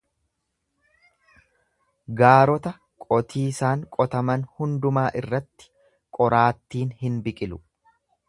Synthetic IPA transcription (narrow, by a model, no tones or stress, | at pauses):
ɡaːɾɔt̪ɐ | kʼɔt̪ʰiːsaːŋkʼɔt̪ɐmɐnhʊnd̪ʊmaːʔɪrːɐt̪ːɪ̥ | kʼɔɾaːt̪ːiːnhɪnbɪkʼɪlʊ